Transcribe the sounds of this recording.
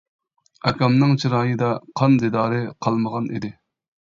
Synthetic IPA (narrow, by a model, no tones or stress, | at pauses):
ɛkʲʰɑmnɨŋt͡ʃʰiɾɑːjɨd̪ɑqʰɑnd̪ed̪ɑːɾɨqʰɑlˠməʁɑnḭd̪ɪ